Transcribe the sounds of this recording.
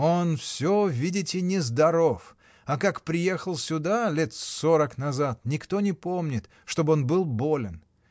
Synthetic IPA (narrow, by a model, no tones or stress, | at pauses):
o̞nfsʲovʲidʲɪtʲɪnʲɪzd̪ɐɾo̞f | ɐkakpɾʲɪjexəlˠsʲʊd̪alʲet̪soɾəknɐzat̪nʲɪkt̪o̞nʲɪpo̞mnʲɪt̪ | ʂt̪o̞bəonbɨlˠbo̞lʲɪn